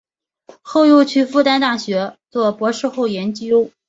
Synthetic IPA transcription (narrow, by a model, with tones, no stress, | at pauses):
xo˥˧ʊjo˥˧t͡ɕʰy˥fu˥˧t̪a˥nt̪a˥˩ɕɥɛ˧˥t͡swɔ˥˩pwɔ˧˥ʂɻ̩˥˧xo˥˩ʊjɛ˧˥nt͡ɕjo˥ʊ